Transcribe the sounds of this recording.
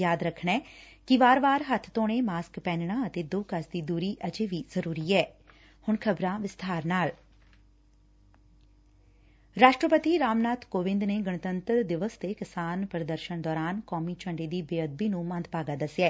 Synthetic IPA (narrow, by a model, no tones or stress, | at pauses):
jaːd̪ɾəkʰɳɛːkiʋaːɾʋaːɾɦət̪ʰt̪õːneːmaːskpɛ̃ːnɳaːət̪eːd̪oːkəsd̪iːd̪uːɾiːʔəd͡ʒeːʋiːz̥əɾuːɾiːɛː | hʊɳkʰəbɾãːʋɪst̪ʰaːɾnaːl | ɾaːʃʈɾəpət̪iɾaːmnaːt̪koːʋɪ̃nd̪neːɡəɳ̃ət̪ənt̪əɾd̪ɪʋəst̪ekɪsaːnpɾəd̪əɾʃənd̪ɔːɾaːnkɔːmit͡ʃə̃ɳɖeːd̪iːbeːəd̪̚biːnũːmə̃nd̪paːɡaːd̪əsɛː